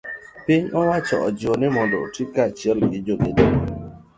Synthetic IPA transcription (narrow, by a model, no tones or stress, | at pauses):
pɪɲɔwat͡ʃɔ̰ɔd͡ʒɔnɪmɔndɔ̰tikat͡ʃɛlɡɪd͡ʒoɡede